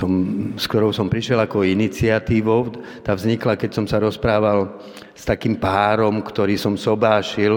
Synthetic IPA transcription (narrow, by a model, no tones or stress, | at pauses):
ɔmskt̪ɔɾɔʊsɔmpɾiʃɪɛlakɔinit͡sɪat̪iːʋɔʊ | t̪aːvzɲiklakɛcsɔmsaɾɔspɾaːʋal | st̪akiːmpaːɾɔmkt̪ɔɾiːsɔmsɔbaːʃil